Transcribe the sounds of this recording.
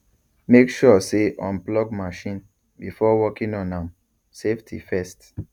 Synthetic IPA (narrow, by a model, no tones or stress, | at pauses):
mekʃɔseʔɔ̃nplɔɡmaʃĩn | bifɔwɔkĩnɔ̃nãm | seftʰḭfɛst